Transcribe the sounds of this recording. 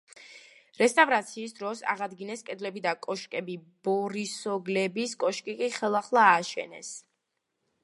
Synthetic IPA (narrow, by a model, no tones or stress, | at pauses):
ɾɛst̪ʼavɾat̪sʰiːs̬d̪ɾɔsa̰ʁad̪ɡinɛskʼɛd̪lɛbid̪akʼɔʃkʼɛbib̥ɔɾisɔɡlɛbiskʼɔʃkʼikʼiχɛlˠaχlˠaːʃɛ̰nɛ̰s